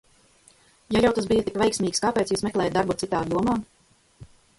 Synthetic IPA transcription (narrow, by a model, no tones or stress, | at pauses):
jajawt̪asbijət̪ikvʲɛjksmʲiːkskaːpʲɛːt̪suːsmɛklˠɛːjat̪d̪aɾbut̪sit̪aːd̪d̪uɔmaː